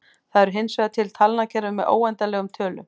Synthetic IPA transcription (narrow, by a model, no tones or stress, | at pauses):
θaðɛɾɦɪnsvɛɣðat̪ʰɪlt̪ʰalnacʰɛɾʏmːɛðʔo̰ːwɛnt̪alɛːɣʏmt̪ʰœːlʏ̰